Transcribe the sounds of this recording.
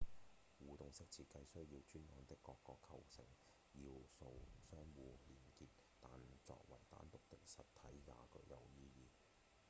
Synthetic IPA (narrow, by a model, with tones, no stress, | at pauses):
wuː˨˩t̪ʊ˨ŋsɪ˥k̚t͡sʰiː˨˧kɐ˧jsɵ˥ɥjiː˧wt͡ʃyː˥nnɔː˨˥nt̪ɪ˥kːɔː˧kːɔː˧kʰːɐ˨˩wsɪ̰˨˩ŋ | jiː˧wso˧wsœː˥ŋwuː˧liː˨˩nkiː˧p̚ | t̪aː˨nt͡sɔ̰ː˧k̚wɐ̰˨˩jt̪a̰ː˨˥nt̪ʊ˨k̚t̪ɪ˥k̚sɐ˨tt̪ʰɐ˨˥jja̰ː˨kɵ̰˧˥kjɐ˨wjiː˥jiː˧